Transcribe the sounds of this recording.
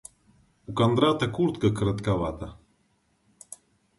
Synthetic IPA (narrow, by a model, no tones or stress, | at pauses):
ukɐnd̪ɾat̪ɐkuɾt̪kəkəɾɐt̪kavat̪ɐ